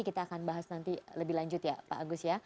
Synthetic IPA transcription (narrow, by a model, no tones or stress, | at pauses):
ikit̪aːkanbaɦasnant̪iləbɪhlaɲd͡ʒʊt̪japa̰ʔːɡʊsja